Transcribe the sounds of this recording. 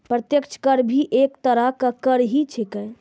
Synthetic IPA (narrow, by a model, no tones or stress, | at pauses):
pɾət̪jəkt͡ʃʰkəɾbʱiʔekt̪əɾakakəɾɦit͡ʃʰekə